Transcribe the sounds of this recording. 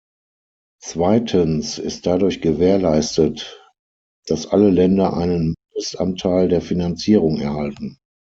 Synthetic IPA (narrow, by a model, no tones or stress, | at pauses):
t͡sv̥aɪtʰənsɪ̰st̚d̥adʊɐçɡ̥əveːɐlaɪstət | d̥asʔaləlɛndɐʔa̰ɪnənmɪndəstʔa̰ntʰaɪldeːɐfinant͡siːʁ̞ʊŋɛɐhaltn̩